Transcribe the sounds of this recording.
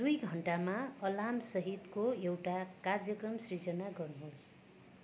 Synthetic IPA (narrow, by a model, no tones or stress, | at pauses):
d̪ujɡʱʌɳʈamaʌlamsʌɦit̪koewʈakard͡zjʌkrʌmsrid͡zʌnaɡʌrnuɦos